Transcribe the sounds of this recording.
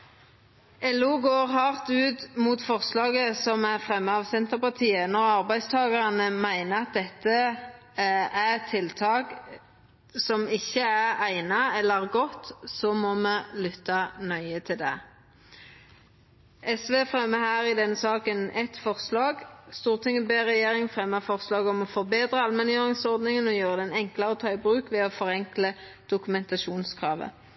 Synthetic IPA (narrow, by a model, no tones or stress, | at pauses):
ɛluːɡoːʁhɑːʁt̪ʉːt̪muːt̪fɔʁslɑːɡəsɔmæʁfʁɛmːəɑʋsɛnt̪əʁpɑʁt̪ʰiːənɔʁɑʁbæɪst̪ʰɑːɡɑʁɑnəmæɪnəɑt̪̚d̪ɛt̪ːə | æɛt̪ʰːɪlt̪ʰɑːɡ | sɔmɪçːəæʁæɪnɑɛlːəʁɡɔt̪sɔmɔməlʏt̪ːɑnœʏət̪ʰɪld̪ɛ | ʔɛsʋeːfʁɛmːəhæːʁɪd̪ɛnːəsɑːkənɛt̪fɔʁslɑːɡst̪uːʁt̪ʰɪŋəbeːʁɛjeːʁɪŋfʁɛmːəfɔʁslɑːɡɔmɔfɔʁbeːd̪ʁəɑlmɛnjøːʁɪŋsɔʁd̪nɪŋənɔjøːʁəd̪ɛnɛŋkləʁət̪ʰɑːɪbʁʉːkʋɛɔfɔʁɛŋkləd̪̥ʊkʉmɛnt̪ɑʃuːnskʰʁɑːʋə̰